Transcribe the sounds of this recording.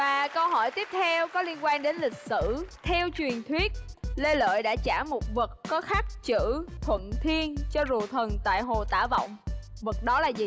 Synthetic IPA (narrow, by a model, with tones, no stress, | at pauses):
vaː˨˩kə˧wɦɔ˧˩jt̪i˦˥əp̚t̪ʰɛ˧wkɔ˨˦li˧ənkwaː˧nɗe˨˦nlï˨˩k̟̚sɨ̰˧˥t̪ʰɛ˧wt͡ɕwi˨˩ənt̪ʰwi˦˥ət̚le˧lə̰ː˧˨jɗa̰ː˧˥t͡ɕaː˧˩mo˨˩t̚və˨˩t̚kɔ˨˦xaː˦˥k̚t͡ɕɨ̰˧˥t̪ʰwə̰˧˨nt̪ʰi˧ənt͡ɕɔ˧zu˨˩ət̪ʰə˨˩nt̪a̰ː˧˨jɦo˨˩t̪aː˧˩və̰˧˨wŋ͡m | və˨˩t̚ɗɔ˨˦laː˨˩zi˨˩